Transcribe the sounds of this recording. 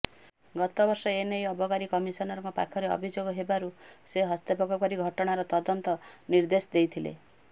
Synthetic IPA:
ɡɔt̪ɔbɔɾsɔenejɔbʱɔkaɾikɔmisɔnɔɾɔŋkɔpa̰kʰɔɾeɔ̰bʱid͡ʒoɡɔɦebaɾuseɦɔst̪epɔkɔkɔɾiɡʱɔʈɔɽ̃aɾɔt̪ɔd̪ɔnt̪ɔniɾd̪esd̪ejt̪ʰilḛ

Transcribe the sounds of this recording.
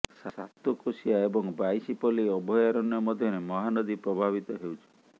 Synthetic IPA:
sasat̪ukosiaebɔŋbajsipɔliɔbʱɔjaɾɔnjɔmɔd̪ʱjɔnemɔɦanɔd̪ipɾɔbʱaβit̪ɔɦewt͡ʃʰi̥

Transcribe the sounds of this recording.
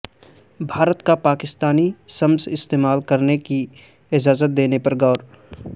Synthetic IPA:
bʱaːɾət̪kapaːkɪst̪aːnisəmzɪst̪eːmaːlkəɾneki | ɪd͡ʒaːzət̪̚d̪eːnepɐɾɡɔːɾ

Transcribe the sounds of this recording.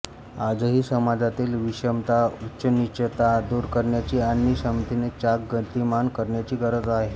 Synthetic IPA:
ad͡zəɦiːsəmad͡zat̪iːlʋiɕəmt̪autːɕənit͡ɕət̪ad̪uɾkəɾɳjat͡ɕiːanːiɕəmt̪inet͡ɕakɡət̪imankəɾɳjat͡ɕiːɡəɾəd͡zaɦe

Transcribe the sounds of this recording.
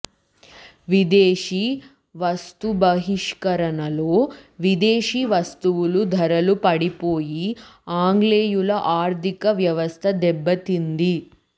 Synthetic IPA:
ʋid̪eːʂi | ʋɐst̪ubɐɦiʂkɐɾɐnɐlo̞ːʋid̪eːʂiːʋɐst̪uʋulud̪ʱɐɾɐlupɐɽipo̞ːjiaːŋɡleːjulɐʔaːɾt̪ikɐʋjɐʋɐst̪ʰɐd̪ɛbːɐt̪ind̪i

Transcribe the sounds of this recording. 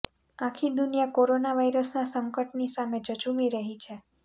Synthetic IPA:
ãkʰid̪unijakoɾonaʋajɾəsnasəŋkəʈnisamed͡ʒət͡ʃumiɾəɦit͡ʃʰe

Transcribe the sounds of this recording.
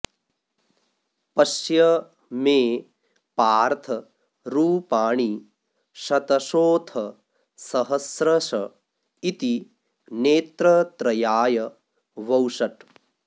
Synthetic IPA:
pɐʃjɐ | meː | paːɾt̪ʰɐ | ɾuːpaːɳi | ʃɐt̪ɐʃoːt̪ʰɐ | sɐɦɐsɾɐʃɐ | it̪i | neːt̪ɾɐt̪ɾɐjaːjɐ | ʋɐwʂɐʈ

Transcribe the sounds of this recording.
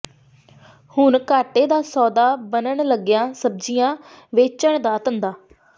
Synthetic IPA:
hʊɳkaːʈeːd̪aːsɔːd̪aːbənəɳləɡjãːsəb̚d͡ʒiːjãː | ʋeːt͡ʃəɳd̪aːt̪ənd̪aː

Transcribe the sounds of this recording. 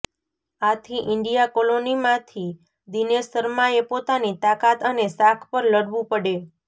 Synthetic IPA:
at̪ʰiʔɪɳɖijakolonimãt̪ʰi | d̪inesəɾmaepot̪anit̪akat̪ənesakʰpəɾləɽʋũpəɽe

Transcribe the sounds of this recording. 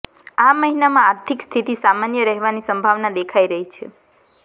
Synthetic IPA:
aməɦinamãːɾt̪ʰikst̪ʰit̪isamanjəɾəɦɛʋanisəmbʱaʋnad̪ekʰaiɾəɦit͡ʃʰḛ

